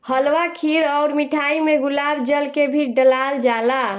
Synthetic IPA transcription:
həlwakʰiɾɔʊɾmiʈʰaimeɡulaːbd͡ʒəlkebʱiɖəlald͡ʒala

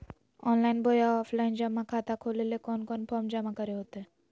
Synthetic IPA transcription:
ɔnlainbʱojaɔfʰlaind͡ʑamakʰat̪akʰolelekɔnkɔnpʰɔɾmd͡ʑamakəɾeɦot̪e

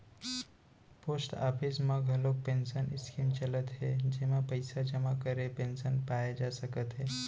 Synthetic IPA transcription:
poːsʈa̰ːpʰɪsməɡʱɦɐlok̚pẽːnsənɪskimt͡ʃələt̪ɦɛd͡ʒɪɦmãpəɪsad͡ʒəmakəɾepẽːnsənpaːjad͡ʒaːsəkət̪ɦɛː

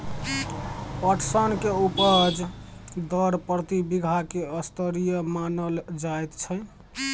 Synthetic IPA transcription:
əʈʰsənkeupəd͡ʒd̪əɾpɾət̪ibiɡʱakeəst̪əɾijəmanəld͡ʒajt̪t͡ʃʰə

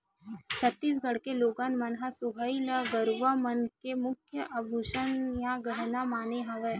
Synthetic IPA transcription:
t͡ʃʰət̪ːiːs̬ɡɐɽ̤keloːɡãːnmanɦasʊbʱailəɡəɾʋamɐnkemʊkʰjəʔɐbʱuʃənjãɡəɦnamaːneɦɐʋɛː

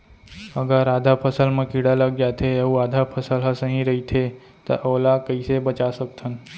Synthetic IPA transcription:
əɡəɾad̪ʱapʰəsəlmãkiɽaləɡ̚d͡ʒat̪ʰeeũaːd̪ʱapʰəsəlɦəsəɦĩɾəɦit̪ʰe | t̪ə̰ʔolakəisebət͡ʃasək̚t̪ʰən

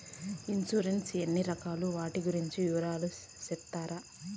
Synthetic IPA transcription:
insuɾensenːiɾɐkaːluʋaːʈiɡuɾiɲt͡ʃijuːɾaːlu | sɛt̪ːaːɾa

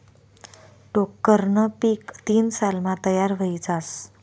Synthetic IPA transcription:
ʈokːəɾnəpiːkt̪iːnsalmãt̪əjaɾʋəid͡zas

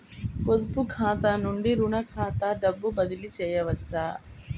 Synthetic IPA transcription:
pod̪upukʰaːt̪anuɳɖiɾuɳɐkʰaːt̪ɐɖɐbːubɐd̪ilit͡ʃɛːjɐʋɐt͡ʃːa

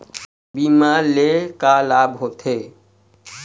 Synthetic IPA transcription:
biːmaɾlekalaːbɦoːt̪ʰeː

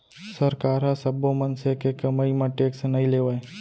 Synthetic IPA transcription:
səɾkaːɾasəbomənsekekəmaimãʈeːksnɐɦĩleʋae

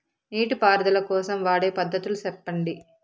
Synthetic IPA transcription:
niːʈupaːɾd̪ɐlɐkɔːsɐmʋaːɽe̞ːpɐd̪ʱːɐt̪ulusɛpːɐɳɖi

